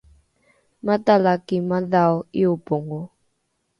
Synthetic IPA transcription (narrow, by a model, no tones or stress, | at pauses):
matalakimaðaoiupoŋo